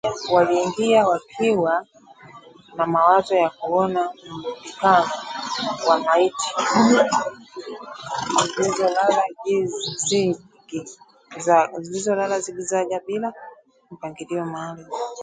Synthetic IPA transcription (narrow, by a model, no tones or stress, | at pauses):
waliːŋɡiawakʰiwa | namawazɔjakuɔnam̩pikanɔwamaitʰi̥ | zilizɔlalaizi | ɡi | zazilizɔlalaziɡizaʄaɓila | m̩paŋɡiliɔmaːli